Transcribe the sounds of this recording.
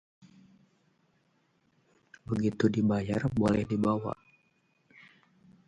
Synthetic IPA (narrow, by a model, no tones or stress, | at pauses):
bəɡit̪udibajarbolɛhdibawa̰ʔ